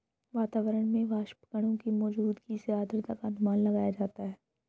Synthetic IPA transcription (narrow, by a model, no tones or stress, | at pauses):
ʋaːt̪aːʋəɾəɽ̃mẽʋaːʃpə̥kəɽ̃õkimɔːd͡ʒuːd̪kiseaːd̪ɾət̪ɐkənmaːnlɐɡaːjad͡ʒaːt̪aɦɛː